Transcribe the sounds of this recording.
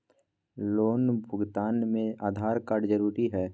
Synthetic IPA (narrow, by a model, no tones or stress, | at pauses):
loːnbʱʊɡt̪aːnmẽaːd̪ʱaːɾkaːɖd͡ʒəɾuːɾiɦɛː